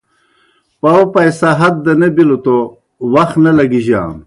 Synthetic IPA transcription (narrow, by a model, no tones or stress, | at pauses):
pawpɐjsɐɦɐt̪̚d̪ɐnebilot̪o | wɐxnɐlɐɡiʑa̰ːn